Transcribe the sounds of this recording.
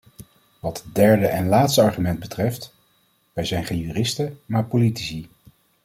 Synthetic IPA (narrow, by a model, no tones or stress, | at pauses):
ʋɑtdɛɹdəʔɛnlaːtstəɑɹχymɛnd̚bətrɛft | ʋɛjzɛjnχenjyːrɪstəmaːɹpolitisi